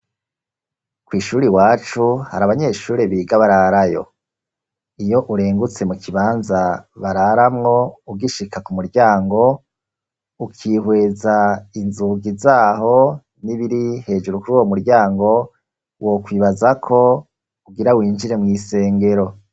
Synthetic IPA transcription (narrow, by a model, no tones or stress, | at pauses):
kwiːʃuːɾiwaːt͡ʃuha̰ɾaβaɲe̞ːʃuːɾeβiːɡaβaɾaɾajo̞̰ | ijo̞ʔuɾe̞ːŋɡut͡se̞mukiβaːnzaβaɾaɾamŋo̞uɡiʃikakumuɾɟaːŋɡo̞ | ukʰiːhwe̞ːzainzuɡizaːho̞ | niβiɾihe̞ːd͡ʒuɾukuɾuwo̞muɾɟaːŋɡo̞ | wokwiːβazakʰo̞ | uɡiɾawiːnd͡ʒiɾe̞mŋiːse̞ːŋɡe̞ɾo̞